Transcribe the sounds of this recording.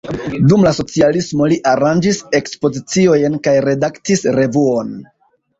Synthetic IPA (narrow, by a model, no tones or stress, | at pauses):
dumlaso̞t͡sialismo̞liʔaɾand͡ʒise̞kspo̞zit͡sio̞jnkajɾe̞daktisɾe̞vuo̞n